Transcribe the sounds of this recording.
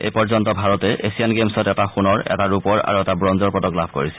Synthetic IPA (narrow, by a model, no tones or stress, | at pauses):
ḛjpɔɹzɔntɔbʱaɹɔtɛʔesianɡemsɔtɛtaxunɔɹɛ̰taɹupɔɹa̰ɹuɛtabɹɔnzɔɹpɹɔtɔklabʱko̰ɹisɛ̥